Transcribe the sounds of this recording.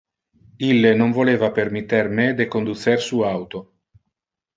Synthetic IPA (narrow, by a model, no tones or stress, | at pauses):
ilːenoɱvoleːvapermit̪ːermed̪ekond̪usersuawt̪o